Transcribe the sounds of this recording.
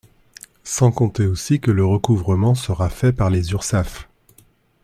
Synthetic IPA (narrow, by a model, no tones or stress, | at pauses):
sɑ̃kɔ̃t̪eosikələʁəkuvʁəmɑ̃səʁafɛpaʁlezyʁsaf